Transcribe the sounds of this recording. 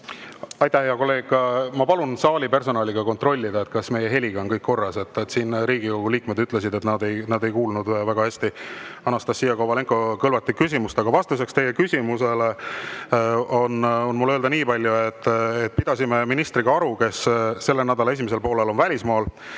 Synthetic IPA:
ɑjt̪ˑæhejɑko̞lːe̞ːɡ̥ɑmɑpɑlunsɑːlʲipe̞rso̞nɑːliɡ̥ɑko̞nt̪ro̞lʲːid̪ɑe̞t̪kɑsme̞jeɦe̞lʲiɡ̥ɑonkɤjkːo̞rːɑse̞t̪ːet̪siːnɾiːɡ̥iko̞ɡ̥uliːkme̞d̪yt̪ːˑle̞s̬id̪e̞t̪nɑd̪e̞jnɑd̪e̞jkuːlnud̪væɡ̥ɑhæsʲt̪iɑnːɑst̪ɑsːijɑkowɑle̞ŋkˑo̞kɤlvɑt̪ːikːys̬ʲimust̪ɑɡ̥ɑvɑst̪us̬e̞kst̪e̞jekysʲimuse̞le | o̞nonmuløːld̪ɑniːpɑlʲjuet̪ːet̪̚ːpid̪̥ɑsʲime̞minist̪ɾiɡ̥ɑɑɾuke̞sse̞lːe̞næd̪ɑlɑe̞s̬imes̬e̞lpo̞ːle̞lo̞nvælʲismɑːl

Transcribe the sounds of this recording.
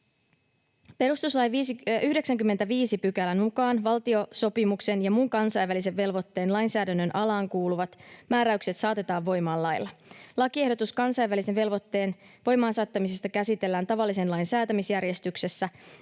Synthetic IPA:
pe̞ɾust̪uslɑjʋiːsyhde̞ksæŋkymːent̪æʋiːsipykælænukɑːnʋɑlt̪io̞so̞pimukse̞njɑmuŋkɑnsɑjʋːælis̬e̞ʋːe̞lʋot̪ːe̞ːnlɑjnsæːdænːønʔɑlɑːŋkuːluʋɑt̪mæːɾæykse̞t̪sɑːt̪e̞t̪ɑːʋʋo̞jmɑːlɑjlːɑlɑkie̞hdo̞t̪uskɑnsɑjʋːælise̞ʋʋe̞lʋo̞t̪ːeːnʋo̞jmɑːnsɑːt̪ːɑmis̬e̞st̪ɑkæsit̪e̞lːæːnt̪ɑʋɑlːise̞nlɑjnsæːt̪æmisjærje̞st̪ykse̞sːæ

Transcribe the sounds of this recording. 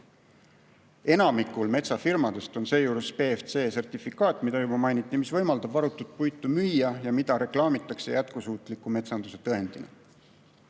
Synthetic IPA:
e̞nɑmikːˑulme̞t̪sɑfirmɑd̪e̞st̪o̞nse̞ːjuːɾuspe̞ːft̪se̞ːse̞rt̪ifikːˑɑːt̪ːˑmid̪̥ɑjub̥ɑmɑjnit̪ːˑimisvɤ̞jmɑld̪̥ɑb̥ɑɾut̪ːˑut̪̚pujt̪ːˑumyjːɑjɑmid̪̥ɑɾe̞klɑːmit̪ːˑɑkse̞jæt̪̚kusuːt̪ˑlikːume̞t̪sɑnd̪̥use̞t̪ɤɦe̞nd̪̥inḛ

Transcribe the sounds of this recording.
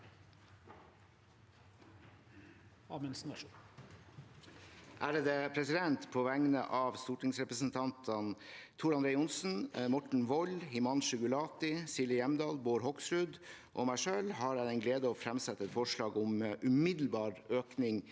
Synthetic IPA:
ɑmɛnsnː | ʔæːɾəd̪əpʰɾɛsɪd̪ɛnt̪pʰoːʋæŋnə̰ʔɑːʋst̪uːʈɪŋsɾɛpɾəsn̩t̪ʰɑnt̪ʰənt̪ʰʊɾɑnd̪ɾeɪʊnsn̩mɔʈɳ̩ʋɔlhɪmɑnʃʉɡʉlɑːt̪ɪsɪlɪjɛmd̪ɑːlboːɾhɔksɾʉd̪ʔoːmæɪʂøːlhɑɾæɪɛɪnɡleːd̪əoːfɾɛmsɛt̪ːəɛt̪fɔʂɭɑːɡɔmʔʉmɪd̪l̩bɑːɾøːknɪŋ

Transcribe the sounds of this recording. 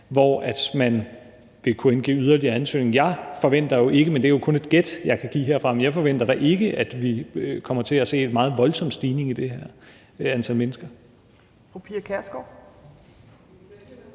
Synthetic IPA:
ʋɒæd̥mæn | ʋe̝kʰuenɡ̥ḛːyð̞ˠɐliɐænsø̰ːne̝ŋ̩jɑ̈ɪfɒ̽ʋen̰d̥ɐjo̝ʔe̝ɡ̥əmend̥e̝æɐjo̝kʰɔ̽ne̝d̥̚ɡ̥ed̥jɑ̈ɪkʰæɡ̥ḭːɦeɐ̰fʁɑ̈mnjɑɪfɒ̽ʋen̰d̥ɐɾ̥ɑ̈ʔe̝ɡ̥əʔæd̥ʋikʰɒ̽m̰ɐt͡sʰe̝æse̝̰ːe̝d̥mɑ̈ːð̞̩ˠʋɒ̽lsɒ̽m̰̥sd̥iːne̝ŋid̥e̝ɦeɐ̰ | ænt͡sʰælmenəsɡ̥ɐ | opʰiːɐkʰæɐsɡ̥ɒ

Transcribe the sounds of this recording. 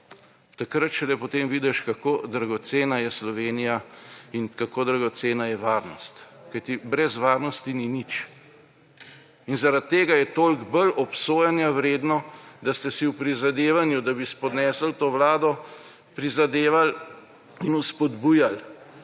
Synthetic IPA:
t̪akɾat̪t͡ʃɛlɛpɔt̪eːmʋiːd̪ɛʃkakoːd̪ɾaɡɔt̪seːnajɛslɔʋeːnijainkakoːd̪ɾaɡɔt̪seːnajɛʋaːɾnɔst̪ | kajt̪ibɾɛzʋaːɾnɔst̪ininit͡ʃ | inzaɾat̪ːeːɡajɛt̪oːlɡbəlɔpsoːjanjawɾeːd̪nɔd̪ast̪ɛsiwpɾizad̪eːʋanjud̪abispɔd̪nɛːsəlt̪oːʋlaːd̪ɔ | pɾizad̪eːʋal | inuspɔd̪buːjal

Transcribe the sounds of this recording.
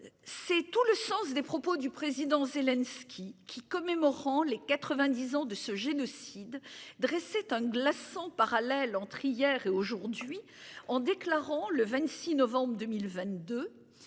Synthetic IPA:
sɛt̪uləsɑ̃sd̪epχɔpod̪ypχezid̪ɑ̃zelɛnskʲʰikʲʰikɔmemɔʁɑ̃lekat̪χəvɛ̃d̪izɑ̃d̪əsəʒenɔsid̪ːʁɛsɛt̪ɛ̃ɡlasɑ̃paʁalɛlɑ̃t̪χijɛʁeoʒuʁd̪ɥi | ɑ̃d̪eklaʁɑ̃ləvɛ̃t̪sinɔvɑ̃bʁəd̪əmilvɛ̃t̪̚d̪ø

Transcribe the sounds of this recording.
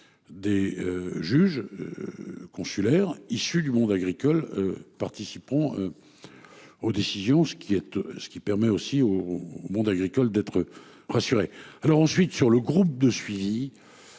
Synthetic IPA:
d̪eøʒyʒ̰ | kɔ̃sylɛʁisyd̪ymɔ̃d̪aɡʁikɔløpaʁt̪isipɑ̃ø | od̪esizjɔ̃sə̥kʲʰiɛt̪sə̥kʲipɛʁmɛosioːmɔ̃d̪aɡʁikɔld̪ɛt̪χə | ʁasyʁealɔʁɑ̃sɥit̪syʁləɡʁup̚d̪əsɥivi

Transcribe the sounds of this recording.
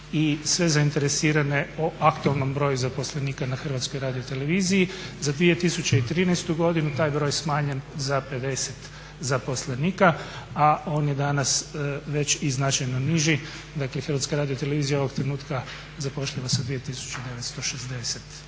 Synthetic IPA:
isʋe̞zaint̪e̞ɾesiːɾane̞oʔakt̪uelˠno̞mbɾo̞juzapo̞sleniːkanaxr̩ʋat̪sko̞jɾaːd̪iot̪e̞le̞ʋiːzijizad̪ʋije̞t̪isut͡ɕeit̪ɾiːnɛjst̪uɡo̞d̪inut̪aːjbɾo̞jsmaːɲe̞nzape̞d̪e̞set̪ | zapo̞sleniːkaao̞ːnjed̪anasʋe̞t͡ɕiznat͡ʃajnoniʒi | d̪aklexɾrʋat̪skaɾaːd̪io̞t̪eleʋiːzijao̞ʋo̞ɡt̪ɾenuːt̪ka | zapo̞ʃʎaʋasad̪ʋije̞t̪isu̥t͡ʃed̪e̞ʋet̪st̪o̞ʃezd̪e̞set̪

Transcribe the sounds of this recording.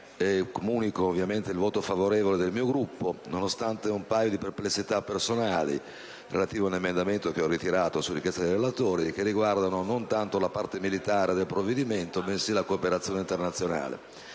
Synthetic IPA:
ɛkomuːnikoːvːjament̪eilvɔːt̪ofavoɾɛːvoled̪elmiːoɡɾupːononost̪ant̪eumpajod̪iperplesːit̪apːersonaːlḭ | relat̪iːvoaunemend̪ament̪ok̟eɔrːit̪iɾaːt̪osuɾːikjɛst̪ad̪ejrelat̪oːɾik̟erːiɡward̪anonont̪ant̪olapart̪emilit̪aːɾed̪elpɾovːed̪iment̪omesilakoːpeɾat̪sjoːneint̪ernat̪sːjona̰ːlḛ

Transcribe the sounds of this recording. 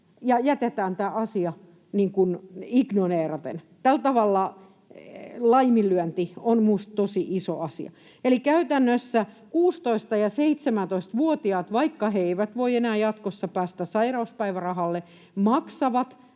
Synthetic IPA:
jɑjæt̪et̪æːnt̪æːʔɑsiɑ | niːŋkuniknoneːrɑt̪ḛn | t̪ælt̪ɑʋɑlːɑ | lɑimilːyænt̪ionmust̪t̪osiʔiso̰ɑsḭɑ̰ | elikæyt̪ænːøsːæ | kuːst̪oist̪ɑjɑseit̪semænt̪oist̪ʋuot̪iɑːt̪ʋɑikːɑheeiʋæt̪ʋoienæːjɑt̪kosːɑpæːst̪æsɑirɑuspæiʋærɑhɑlːe | mɑksɑʋɑt̪

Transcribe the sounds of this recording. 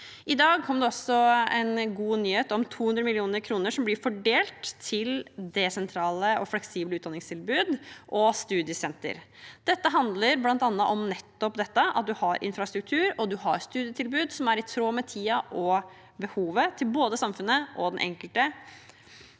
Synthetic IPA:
ʔɪd̪ɑːɡ̚kʰɔmːəɖ̪ɛɔsɔɛ̰nɡuːnyːheːt̪ɔmt̪ʰuːhʉnd̪ɾəmɪlɪuːnəɾkʰɾuːnəʂɔmblɪɾfɔɖeːlt̪ʰːɪld̪ɛsɛnt̪ʰɾɑːləɔflɛksiːbləʉːd̪ɑnɪŋst̪ʰɪlbʉːd̪ʔɔst̪ʉːd̪ɪəsɛnt̪ə̰ɾ | d̪̥ɛt̪ːəɦɑnd̪ləɾblɑnt̪ɑnːəʔɔmnɛt̪ːɔpd̪ɛt̪ːəʔɑ̰t̪̚d̪ʉhɑɾʔɪ̰nfɾɑst̪ɾʉk̚t̪ʰʉːɾɔd̪ʉɦɑɾst̪ʉːd̪ɪjət̪ʰɪlbʉːd̪sɔmæɾɪt̪ʰɾoːmɛt̪ʰiːɑʔɔ | bəhuːʋət̪ʰɪlboːd̪əsɑmfʉnːəʔɔd̪ɛnʔɛ̰ŋkəlt̪ə

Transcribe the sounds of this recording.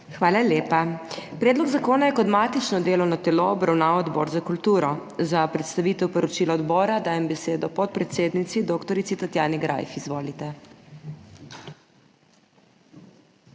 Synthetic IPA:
xʋaːlaljeːpapɾɛːd̪lɔɡzakoːnajɛkɔd̪maːt̪it͡ʃnɔd̪eːlɔwnɔt̪ɛloɔbɾawnaːwɔd̪bɔːɾzakult̪uːɾɔzapɾɛt̪st̪aʋit̪ɛwpɔɾɔt͡ʃilɔɔd̪bɔːɾad̪aːjɛmbɛseːd̪ɔpɔt̪̚pɾɛt̪seːd̪nit̪sid̪oːkt̪ɔɾit̪sit̪at̪jaːniɡɾa̰jfizʋoːlit̪ɛ

